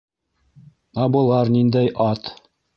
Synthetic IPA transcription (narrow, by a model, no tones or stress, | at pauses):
ɑbɤ̆lˠɑɾnind̪æjʔɑt̪